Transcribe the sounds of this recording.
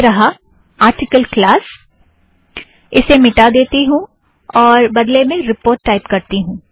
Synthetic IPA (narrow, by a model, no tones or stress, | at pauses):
ɾɐɦa | aːɾʈɪkəlklaːs | ɪsemɪʈad̪eːt̪iɦũ | ɔːɾbɐd̪lemẽɾɪpoːɾʈːaːɪpkɐɾt̪iɦũː